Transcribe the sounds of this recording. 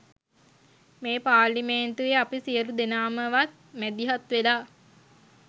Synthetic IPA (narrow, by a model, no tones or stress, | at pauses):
meːpaːlimeːnt̪ueapisiəɾud̪enaːməʋat̪̚ | mæd̪iɦat̪ʋelaː